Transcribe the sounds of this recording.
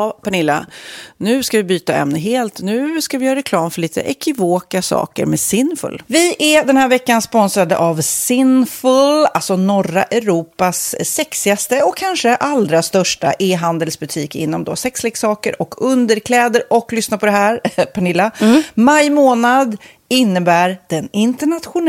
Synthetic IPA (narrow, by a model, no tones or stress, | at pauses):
pʰaɳɪlːa̰nʉ̟ːskavɪbyːt̪aɛ̰mnəɦeːlt̪nʉ̟ːskavɪjœːɾaɾɛkʰlɑːmfœɭiːt̪ə̰ʔɛkʰɪvoːkasɑ̰ːkə̰ɾmɛsɪnːfɵ̰lːvɪʔɛd̪ɛnhæːɾvɛkːanspɔnsɾad̪ə̰ʔavsɪnfɵlalsɔnɔra̰ʔɛɾuːpasːɛksɪast̪əɔkʰːanʂəʔald̪ɾast̪œʂʈa̰ʔeːɦand̪əlsbɵt̪ʰiːkɪ̰nːɔmd̪ɔ̰sɛkslɪɡsɑːkəɾʔɔkʰɵnd̪əɾkʰlɛːd̪əɾɔklʏsnapʰɔd̪ɛɦæːɾpʰaɳɪlːamajmoːnad̪ | ɪnːəbæːɾd̪̥ɛnɪnt̪əɳat̪ɧʊn